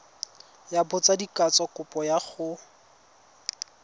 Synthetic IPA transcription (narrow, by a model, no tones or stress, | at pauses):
jabʊt͡sadikat͡sɔkʊpɔjaχʊ